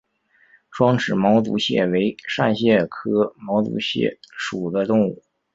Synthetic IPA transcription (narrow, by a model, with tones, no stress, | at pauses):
ʂwɑ˥ŋʈ͡ʂɻ̩˨˩mɑ˧˥ʊt͡s̪ṵ˧˥ɕjɛ̰˥˩we˧˥ɪʂa˥˧nɕjɛ˥˩kʰɤ˥mɑ˧˥ʊt͡sṵ˧˥ɕjɛ̰˥˩ʂu˨˩d̪ə˦t̪ʊ˥˧ŋu˥˩